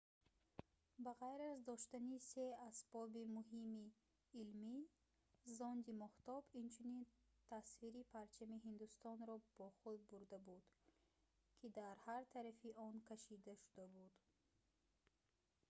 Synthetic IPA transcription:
baʁajɾazd̪ɔʃt̪aniseasbɔbimuɦimiː | lmi | zɔnd̪imɔht̪ɔbint͡ʃʰunin | t̪ʰasfiɾipʰaɾt͡ʃʰamiɦind̪ust̪ɔnɾɔb̥ɔχud̪̚buɾd̪abud̪̥ | kʰid̪aɾhaɾt̪ʰaɾafiʔɔnkʰaʃid̪aʃu̥d̪abud̪

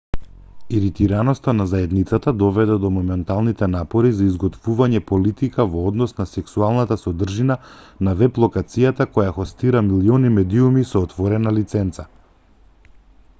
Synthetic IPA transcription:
iɾit̪iɾanɔst̪anazaɛd̪nit̪sat̪ad̪ɔvɛd̪ɛd̪ɔmɔmɛnt̪alˠnit̪ɛnapɔɾizaizɡɔt̪vuvaɲɛpɔlit̪ikavɔɔd̪nɔsnasɛksualˠnat̪asɔd̪r̩ʒina | navɛplˠɔkat̪sijat̪akɔjaxɔst̪iɾamiliɔnimɛd̪iumisɔːt̪vɔɾɛnalit̪sɛnt̪sa

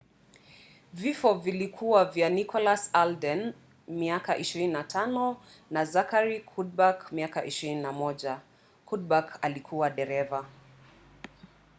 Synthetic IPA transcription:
vifɔvilikʰuwavjanikʰɔlasaldɛn | miakaʔiʃiɾininatʰanɔ | nazakaɾikʰud̚bakmiakaʔiʃiɾininamɔʄa | kud̚bakalikʰuwaɗɛɾɛva

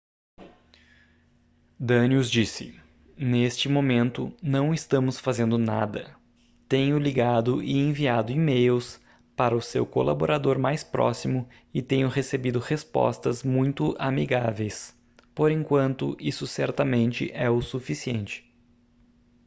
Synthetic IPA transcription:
d̪ɐniʊzd͡ʒisɪ̰ | nest͡ʃɪmomẽnt̪ʊnɐ̃w̃ɪst̪ɐ̃mʊsfazẽnd̪ʊnad̪ɐ̰ | t̪ẽjʊliɡad̪ʊʔɪẽviad̪ʊimejws | paɾɐʊsewkolaboɾad̪oɾmajspɾʔɔ̰simʊ | ɪt̪ẽɲʊhesebid̪ʊhespɔ̰st̪ɐzmũj̃t̪ʊʔamiɡavejs | poɾẽŋkwɐ̃nt̪ʊ̰ʔisʊsɛɾt̪ɐmẽnt͡ʃɪ̰ʔɛʊsufisiẽnt͡ʃɪ̥

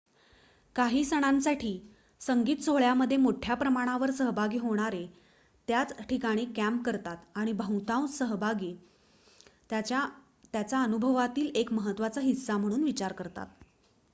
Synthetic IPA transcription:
kaɦiːsəɽ̃ãnsaʈʰiː | səŋɡiːt̪t͡soɭjaməd̪ʱːjemoʈʰjapɾəmaɽ̃aʋəɾsəɦbʱaɡiːɦoɽ̃aɾe | t̪jat͡sʈʰikaɽ̃iːkæmp̚kəɾt̪at̪aɽ̃ibʱə̃wt̪ãwsəɦbʱaɡiː | a | t̪jat͡saənubʱəʋat̪iːlekməɦət̪ːʋat͡saɦisːam̤əɽ̃uːnʋit͡ɕaɾkəɾt̪a̰t̪̚

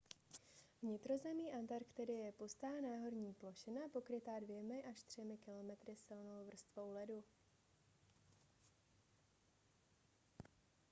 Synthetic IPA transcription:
vɲɪt̪ɾo̞zɛmiːʔant̪aɾkt̪ɛdɪɛjɛpust̪aːnaːɦo̞ɾɲiːplo̞ʃɪnapo̞kɾɪt̪aːdvjɛmɪʔaʃt̪r̝̥ɛmɪkɪlo̞mɛt̪ɾɪsɪlno̞wvr̩st̪vo̞wlɛdu

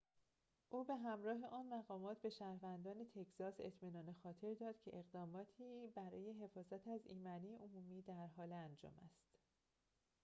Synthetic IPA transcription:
ʔuːbe̞ɦæmɾɒːɦe̞ʔɒːnmæɣɒːmɒːt̪̚ʰbe̞ʃæɾvænd̪ɒːne̞t̪ʰe̞cʰz̥ɒːse̞̰t̪ʰmiːnɒːnexɒːt̪ʰe̞ɾd̪ɒːd̪̥cʰe̞ʔeɣd̪ɒːmɒːt̪ʰiːbæɾɒ̰ːje̞ɦe̞fɒːzæt̪ʰæziːmæniːʔomuːmiːd̪æɾɦɒːleænd͡ʒɒ̰ːmæ̰st̪

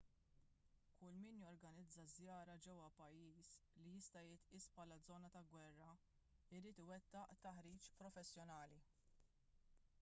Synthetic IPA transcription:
kʊlmiːnjɔɾɡɐnɪd͡zːɐzjɐːɾɐd͡ʒɛwːɐpɐjːiːslijɪst̪ɐjɪt̪iːspħɐːlɐd͡zɔːnɐt̪ɐɡwɛrːɐ | ɪɾiːt̪ɪwɛt̪ːɐʔt̪ɐħɾiːt͡ʃpɾɔfɛsːjɔnɐːli

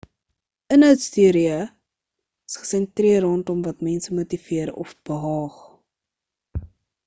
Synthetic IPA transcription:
ʔənɦœwtstyəɾiə | əsχə̥sɛntriərɔːntɔmvɐtmɛnsəmutiviəɾɔ̰fb̥əɦɑːχ

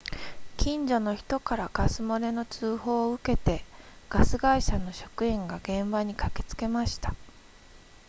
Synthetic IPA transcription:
kʲĩɲd͡ʑo̞no̞çi̥t̪o̞kaɾaɡ̥asɨmo̞ɾe̞no̞t͡sɨːho̞ːɯ̟ke̞t̪e̞ | ɡ̥asɨɡaiɕano̞ɕo̞̥kɯ̟ẽŋɡaɡẽ̞mbaɲ̟ikake̞̥t͡sɨ̥ke̞maɕi̥t̪ḁ

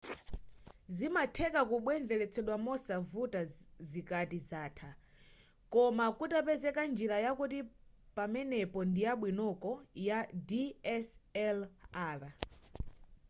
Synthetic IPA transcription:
zimatʰɛkakuɓwɛnd͡zɛlɛt͡sʰɛɗwamɔsavutazikatizaːtʰa | kɔmakutapɛzɛkand͡ʒiɾajakutipamɛnɛpɔndijaɓwinɔkɔjadiɛsɛlaːla

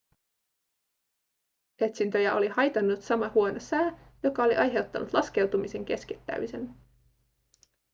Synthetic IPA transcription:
e̞t̪sint̪ø̞jæʔo̞lihɑjt̪ɑnːut̪sɑmɑhuo̞nosæːjo̞kɑo̞liʔɑjɦe̞wt̪ːɑnut̪lɑske̞wt̪umise̞ŋk̟e̞skit̪ːæ̰misen

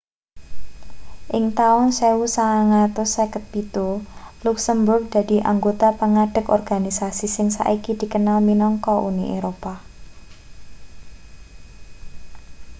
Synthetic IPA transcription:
ʔɪŋt̪aʊnsewusaaŋat̪ʊsekət̪̚pit̪uluksəmbʊrɡ̚d̪̥a̤d̪̥i̤ʔa̰ŋɡot̪apəŋaɖ̥ə̤kɔrɡ̥anisasisɪŋsa̰ʔikid̪̥i̤kənalminɔŋkɔʔuniʔḛɾopa

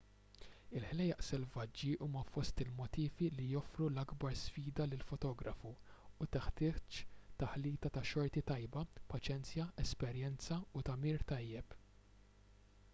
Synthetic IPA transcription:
ɪlħlɛjɐʔsɛlvɐd͡ʒːiʔuːmɐfɔst̪ɪlmɔt̪iːvilijɔfɾulɐɡbɐɾsfiːd̪ɐlɪlfɔt̪ɔːɡɾɐfuːt̪ɪħt̪ɪːt͡ʃt̪ɐħliːt̪ɐt̪ɐʃɔɾt̪it̪ɐjbɐpɐt͡ʃɛnt͡sjɐɛspɛɾjɛnt͡sɐut̪ɐmiːɾt̪ɐjːɛp

